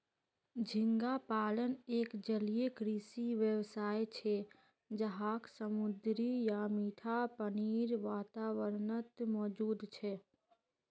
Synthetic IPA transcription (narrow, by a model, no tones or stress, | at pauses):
d͡ʒʱɪ̃ŋɡapaːləneːkd͡ʒəlijekɾiːsiʋjəwsaːet͡ʃʰe | d͡ʒəɦaːksəmʊd̪ɾijamiːʈ̪ʰapəniːɾʋaːt̪aːwəɾnət̪mɔːd͡ʒuːd̪t͡ʃʰɛ